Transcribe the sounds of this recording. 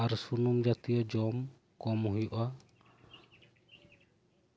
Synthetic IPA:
aɾsunumd͡ʒat̪ijɔd͡ʒɔm | kɔmuɦiʔa

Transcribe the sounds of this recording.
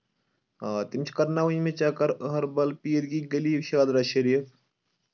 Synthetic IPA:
aːt̪imt͡ʃʰkɐɾnaːwuimẽt͡ʃaːkɐɾəɦɐɾbɐlpiːəɾɡiːɡɐliːbʃaːd̪ɾaːʃɐɾiːfʰ

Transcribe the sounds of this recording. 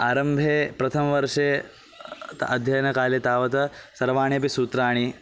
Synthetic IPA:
aːɾɐmbʱeːpɾɐt̪ʰɐmɐʋɐɾʂeː | t̪ɐd̪ʱjɐjɐnɐkaːlet̪aːʋɐt̪ɐsɐɾʋaːɳjɐp̬isuːt̪ɾaːɳ̃i

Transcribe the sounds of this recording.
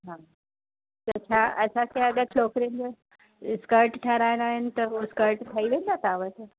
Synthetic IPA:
ɦãː | t̪ɐt͡ɕʰaʔɐsãkʰeɐɠat͡ɕʰoːkɾijən̆d͡ʑo | skəɾʈʈʰaɾaːɪnaːɦɪnɪ̆t̪ɐɦoɪskəɾʈʈʰaːiʋẽnd̪at̪ʰaːʋət̪

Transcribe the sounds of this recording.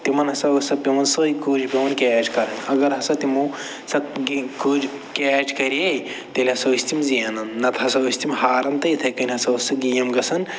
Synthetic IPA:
t̪imɐnɦɐsɐusɐpʲimɐnsoːikuːd͡ʒpʲimɐnkeːʈkɐɾɐnʲɐɡɐɾɦɐsɐt̪imu | sɐt̪ɡikoːd͡ʒ | keːʈkɐɾe | t̪elʲɦɐsɐwisʲt̪imzijɐnɐnnɐt̪ʰɐsɐwist̪imhaːɾɐmt̪ɐjt̪ʰɐkɐnʲɦɐsɐusɐɡijɐmɡɐsɐn

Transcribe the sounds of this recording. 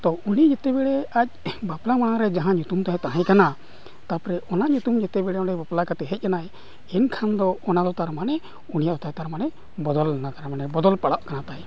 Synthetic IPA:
t̪ɔunid͡ʒɛt̪ɛbɛɽɛac̚baplamanaɾɛd͡ʒaɦãɲut̪umt̪aɦɛ̃t̪aɦɛ̃kana | t̪apɾɛʔɔnaɲut̪umd͡ʒɛt̪ɛbɛɽɛɔɖɛbaplakat̪ɛɦɛc̚ˀanaj | ɛnkʰand̪ɔːnad̪ɔt̪aɾmanɛ | unijad̪ɔt̪at̪aɾmanɛ | bɔd̪ɔlnat̪aɾmanɛbɔd̪ɔlpaɽaʔkanat̪aj

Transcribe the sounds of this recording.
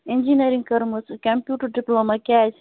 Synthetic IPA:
ẽnd͡ʒiniɾĩŋɡkɐɾməskɐmpjuːʈɐɾɖiplomɐkɛːs

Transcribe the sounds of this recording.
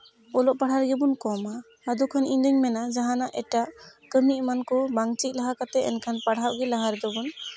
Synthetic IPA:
ɔlɔʔpaɽhaɾɡɛbunkɔma | had̪ukʰaniɲd̪əɲmɛnad͡ʒaɦanaʔɛʈaʔkəɾniʔ̚mankɔbaŋt͡ʃic̚laɦakat̪ɛɛnkʰanpaɽhawʔɡɛlaɦaɾɛd̪ɔbun

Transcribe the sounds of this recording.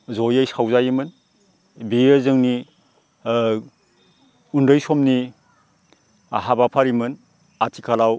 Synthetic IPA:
zɔjajsawzajimɯn | bijɯzɯŋni | undɯjsɔmni | a̰ɦabapʰaɾimɯn | atʰikʰalaw

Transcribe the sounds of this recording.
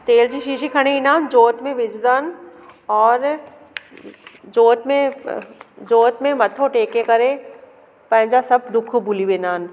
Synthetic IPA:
t̪eːld͡ʒiʃiːʃikʰɐɽ̃einaːnd͡ʒoːt̪mẽʋɪd͡ʒd̪aːnɔːɾ | d͡ʒoːt̪mẽ | d͡ʒoːt̪mẽmɐt̪ʰoʈeːkekɐɾẽ | pɛ̃ːd͡ʒasɐb̚d̪ʊkʰubʊliʋeːnaːn

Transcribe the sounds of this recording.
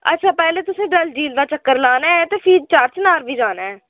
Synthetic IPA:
ə̰tːʃʰaːpɛːleːt̪ʊsẽːɖəld͡ʒiːld̪aːt͡ʃəkːəɾlaːnaːɛːt̪eːfʰiːt͡ʃaːɾt͡ʃnaːɾbʱiːd͡ʒaːnaːɛː

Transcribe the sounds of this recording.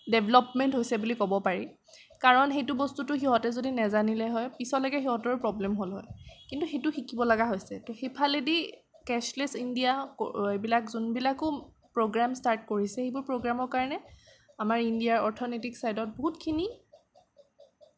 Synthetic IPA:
dɛbʱlɔpmɛntɦojsɛbulikɔbɔpaɹi | kaɹɔnxejtʊbɔstutʊxiɦɔtɛzodinɛzanilɛɦɔjpisɔlɔɡɛxiɦɔtɔɹupɹɔblɛmɦolɦɔjkintuxetʊxikibɔlaɡaɦojsɛtɔxepʰalɛdi | kɛslɛsindijakbilakzunbilakʊ | pɹoɡɹamstaɹt̚koɹisɛxebʊɹpɹoɡɹamɔɹkaɹɔnɛ | amaɹindiaɹɔɹtʰɔnetiksajdɔt̚boɦutkʰini

